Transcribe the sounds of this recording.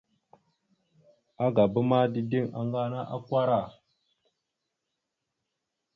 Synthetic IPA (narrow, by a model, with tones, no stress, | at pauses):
a˦ɡa˨bə˦ma˦di˦di˦ŋa̰˨ŋɡa˦na˦ʔa̰˦kʷa˦ɾa˦˨